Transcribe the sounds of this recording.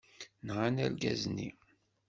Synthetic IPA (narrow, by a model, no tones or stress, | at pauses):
nʁanælɡæ̰znːi